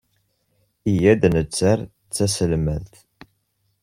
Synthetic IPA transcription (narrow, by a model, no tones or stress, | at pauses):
ijæd̪nət͡sːaɾ | t͡sːæsəlmælt̪